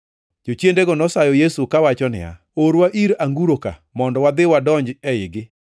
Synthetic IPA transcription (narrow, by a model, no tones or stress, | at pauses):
d͡ʒot͡ʃjendeɡɔnɔsajɔjesukawat͡ʃɔnɪ̰a̰ | oɾwaʔiɾaŋɡuɾoka̰mɔndɔwad̪ɪwadɔɲd͡ʒɛɪɡɪ